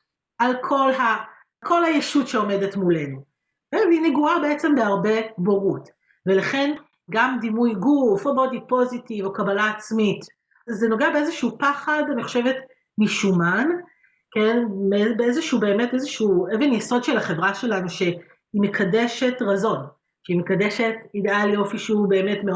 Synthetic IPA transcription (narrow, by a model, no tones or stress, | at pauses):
alkʰo̞lɦa | kʰo̞lhajeʃutʃe̞o̞me̞de̞tmule̞nu | keineɡuabe̞et͡se̞mbeaʁbe̞boʁut | ve̞laχe̞n | ɡamd̪imujɡufobodipo̞zitivo̞kabalaːt͡smit | zeno̞ɡeabe̞ezeʃuupaχadaniχo̥ʃe̞vet | miʃuman | ke̞nbebeezeʃuube̞ːme̞tezeʃuuevenjeso̞dʃelaχe̞vʁaʃe̞lanuʃe̞ | imekʰade̞ʃe̞tʁazo̞n | ʃeimekadeʃe̞tidealijo̞fiʃube̞ːmetme